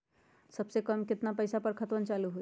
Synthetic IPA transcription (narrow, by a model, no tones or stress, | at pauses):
səbsekəmkɪt̪napəjsapəɾkʰət̪ʋənt͡ʃaːluɦo